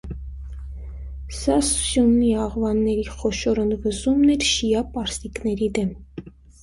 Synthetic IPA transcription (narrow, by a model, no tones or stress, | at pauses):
sɑssjunːiɑʁvɑnːɛɾiχɔʃɔɾənd̪vəzumnɛɾʃijɑpɑɾsiknɛɾid̪ɛm